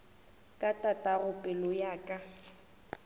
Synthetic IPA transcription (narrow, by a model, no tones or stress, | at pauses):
kʼatʼatʼarʊpʼɛlɔjaːkʼa